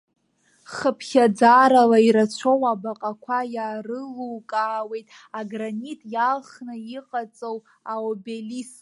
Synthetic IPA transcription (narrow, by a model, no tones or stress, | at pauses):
χəpʰχʲad͡zaɾalaiɾat͡ɕʷʰowabaqʼakʷʰajaːrɨluwkʼaːwe̞jtʼ | aɡranitʼjalχnɨiqʼat͡sʼow | aobelis